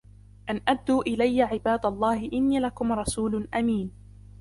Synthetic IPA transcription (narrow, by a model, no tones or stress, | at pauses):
ʔanʔad̪ːuːʔɪlajːaʕɪbaːd̪alˤːɑːhɪʔɪnːiːlakʊmɾˤɑsuːlʊʔamiːn